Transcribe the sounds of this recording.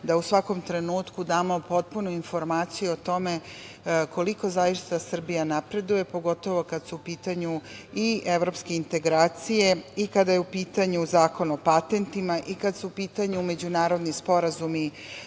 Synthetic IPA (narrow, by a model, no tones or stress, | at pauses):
d̪ausʋako̞mt̪ɾe̞nuːt̪kud̪aːmopo̞t̪̚punuinfo̞ɾmaːt̪sijuot̪o̞me̞ | ko̞liko̞zaːiʃi̥t̪asr̩bijanapɾe̞d̪uje̞po̞ɡo̞t̪o̞ʋo̞kad̪suːpiːt̪aɲuiʔeʋɾo̞pske̞int̪e̞ɡɾaːt̪sije̞ikad̪ajeupiːt̪aɲuzaːko̞nuopat̪e̞nt̪imaʔikad̪suupiːt̪aɲume̞d͡ʑunaːɾo̞d̪nispo̞ɾazumi